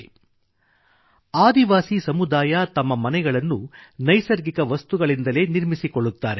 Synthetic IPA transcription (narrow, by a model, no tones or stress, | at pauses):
aːd̪iʋaːsisɐmud̪aːjat̪ɐmːɐmɐnɛɡɐɭɐnːunɐjsɐɾɡikɐʋɐst̪uɡɐɭind̪ɐle̞ːniɾmisikoɭːut̪ːaːɾe